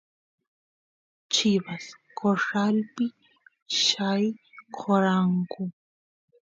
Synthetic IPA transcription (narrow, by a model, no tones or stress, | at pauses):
t͡ʃʰɪβaskoʂalpɪ | ʃajkʰoɾaŋkʊ